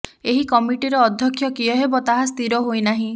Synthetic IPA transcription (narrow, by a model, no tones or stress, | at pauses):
eɦikɔmiʈiɾɔːd̪ʱjɔkʰːjɔkiɔɦebɔt̪aɦast̪iɾɔɦojnaɦĩ